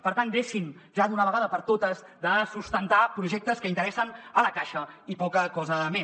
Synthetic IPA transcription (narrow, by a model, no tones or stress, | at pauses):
pəɾt̪and̪eʃinʒaðunəβəɣaðəpəɾt̪ot̪əzd̪əsust̪ənt̪apɾuʒɛk̚t̪əskəint̪əɾɛsənələkaʃəipɔkəkɔzəme